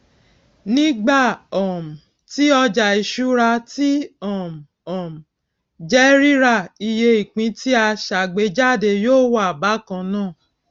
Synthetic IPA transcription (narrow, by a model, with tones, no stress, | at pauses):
nĩ˦ɡ͡ba˦˨ɔ˨m̩˨ | ti˦ɔ˧d͡ʒa˨i˨ʃu˨˦ɾa˧ti˦ɔ˦˨m˨ | ɔ˨m˨ | d͡ʒɛ˦ɾi˦ɾa˦˨i˧je˧i˨k͡pĩ˧˦ti˦a˧ʃa˨ɡ͡be˨˦d͡ʒa˦˨de˧joː˦˨wɔ˦a˨ba˨˦kã˧nãː˦˨